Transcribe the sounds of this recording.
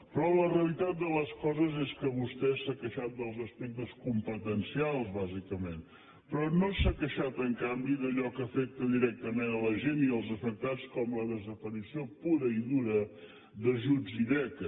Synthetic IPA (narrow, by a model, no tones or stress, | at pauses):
pɾɔləreəlit̪at̪̚d̪ələskɔzəzeskəβust̪ɛsakəʃat̪̚d̪əlˠzəspɛk̚t̪əskumpət̪ənsialˠzβazikəmen | pɾɔnosəkəʃat̪əŋkambiðəʎɔkəfɛk̚t̪əðiɾɛk̚t̪əmenələʒeniəlˠzəfək̚t̪at͡skɔmləðəzəpəɾisiopuɾəiðuɾə | ðəʒud͡ziðɛkə